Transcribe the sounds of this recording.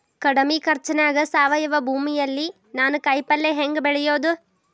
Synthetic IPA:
kɐɽɐmikɐɾt͡ʃɐnaːɡɐsaːʋɐjɐʋɐbʱuːmijɐlːi | naːnukɐjpɐlːeɦeŋɡbɛɭɛjo̞ːd̪u

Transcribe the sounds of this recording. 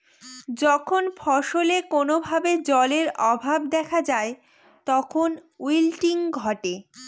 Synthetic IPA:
d͡ʑɔkʰonfʰɔʃolekonobʱabed͡ʑɔleɾɔbʱab̚d̪ɛkʰad͡ʑae | t̪ɔkʰonwilʈiŋɡʱɔʈe

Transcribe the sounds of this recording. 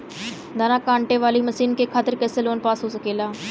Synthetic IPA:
d̪aːnaːkãːɳʈeʋaːliːməsiːnkekʰaːt̪əɾkɛːseloːnpaːsɦoːsəkeːlaː

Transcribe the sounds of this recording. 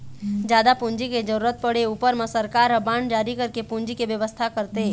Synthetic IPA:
d͡ʒjaːd̪apʊ̃nd͡ʒiked͡ʒəɾuːɾət̪̚pəɽeuːpəɾmẽsəɾkaːɾəbaːɳɖd͡ʒaːɾikɐɾkepʊnd͡ʒikeʋjəʋəst̪ʰakəɾt̪eː

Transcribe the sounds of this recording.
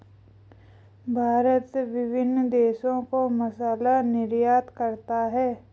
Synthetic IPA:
bʱaːɾət̪ʋɪbʱɪnd̪eːʃõkomɐsaːlanɪɾjaːt̪kəɾt̪aɦɛː

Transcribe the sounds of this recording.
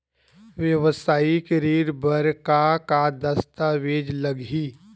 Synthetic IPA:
ʋjəʋəsaːikɾiːɾbəɾkakad̪əst̪aʋeːd͡ʒləɡiː

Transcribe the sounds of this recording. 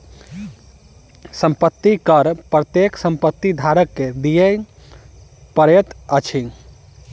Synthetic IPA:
səmpət̪ːikəɾpɾət̪jeksə̃mpət̪ːid̪ʱaɾəkːed̪ije | pəɾet̪ət͡ʃʰi

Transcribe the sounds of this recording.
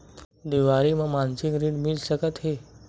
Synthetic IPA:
d̪iʋaɾiməmansikɾiɽmilɕəkət̪ɦe

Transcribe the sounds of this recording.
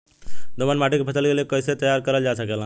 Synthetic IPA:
d̪omanmaʈikepʰəsəlɡelijekəjset̪əjaɾkəɾəld͡ʒaːsəkelã

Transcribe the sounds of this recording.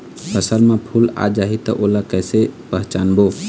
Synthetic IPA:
pʰəsəlmẽpʰula̰d͡ʒaːɦit̪ɔʔolakəjsepəɦt͡ʃaːnboː

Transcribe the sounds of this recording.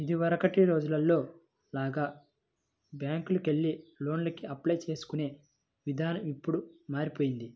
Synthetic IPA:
id̪iʋɐɾɐkɐʈiɾo̞ːd͡ʒulɐlːo̞ː | laːɡaː | bjaːŋkulukeɭːilo̞ːnlɐkiɐplɐjt͡ʃe̞ːsu̥kune̞ː | ʋid̪ʱaːnɐmipːuɽumaːɾipoːjind̪i

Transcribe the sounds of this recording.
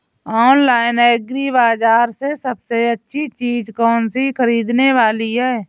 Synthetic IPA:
ɔːnlaːɪneːɡɾiβaːd͡ʒaːɾsesəbseətːʃʰit͡ʃiːd͡ʒkɔːnsikʰəɾiːd̪neʋaːliɦɛː

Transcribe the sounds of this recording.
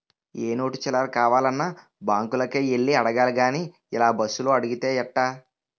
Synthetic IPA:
eːno̞ːʈit͡ʃɛlaːlkaːʋaːlɐnːaː | baːŋkulɐkeːeɭːiɐɽɐɡaːlɡaːniː | ilaːbɐsːulo̞ːɐɽuɡit̪e̞ːjɐʈːaː

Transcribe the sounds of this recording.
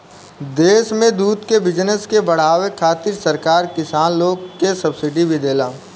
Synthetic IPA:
d̪eːʃmẽd̪uːd̪kebɪd͡ʒnəskebɐɽ̤aːwekʰaːt̪ɪɾsɐɾkaːɾkɪsaːnloːɡkesɐbsɪɖibʱid̪eːlaː

